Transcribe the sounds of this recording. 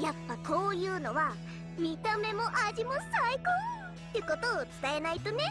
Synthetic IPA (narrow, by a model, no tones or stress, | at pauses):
japːako̞ːjɯ̟ːno̞βa | mʲit̪ame̞mo̞ʔaʑimo̞saiko | t̪ːeɯko̞t̪o̞ːt͡sɨ̥t̪ae̞nait̪o̞ne̞